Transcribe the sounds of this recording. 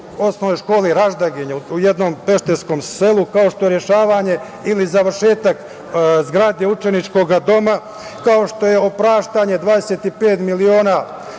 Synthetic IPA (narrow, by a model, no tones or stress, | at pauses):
o̞snonojʃko̞ːliɾaʒd̪aɡiɲeujed̪no̞mpe̞ʃt̪esko̞mse̞lukao̞ʃt̪o̞je̞ɾje̞ʃaːʋaːɲe̞ | ilizaʋɾʃe̞ːt̪ak | zɡɾaːd̪eut͡ʃe̞nit͡ʃko̞ɡad̪o̞ma | kao̞ʃt̪o̞je̞opɾaːʃt̪aɲe̞d̪ʋaːd̪e̞set̪ipe̞ːt̪milio̞ːna